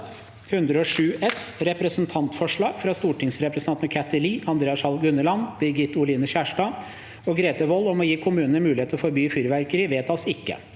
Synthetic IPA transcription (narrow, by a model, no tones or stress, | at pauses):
hʉnd̪ɾəɔʂʉːʔɛsɾɛpɾəsənt̪ʰɑnt̪fɔʂɭɑːɡ̥fɾɑst̪uːʈɪŋsɾɛpɾəsnɑnnəkʰæt̪ːəliːɑnd̪ɾeːɑsɑlɡʉnːəlɑnbɪɾɡɪt̪ːʊliːnəɕæːʂʈɑː | ɔɡɾeːt̪əʋɔːlːɔmɔjiːkʰʊmʉːnənəmʉːlɪeːt̪əɔfɔɾbyːfyːɾʋæɾkəɾɪʋeːt̪ʰɑsɪkːə̰